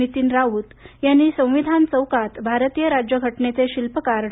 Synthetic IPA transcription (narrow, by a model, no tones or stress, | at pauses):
it̪iːnɾaut̪janːiːsə̃w̃ʋid̪ʱant͡səwkat̪bʱaɾt̪ijəɾad͡ʑjəɡʱəʈnet͡seɕilpəkaɾ